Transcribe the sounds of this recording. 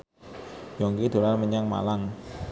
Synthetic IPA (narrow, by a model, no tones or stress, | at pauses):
jɔŋkid̪̥o̤ɾanməɲaŋma̰laŋ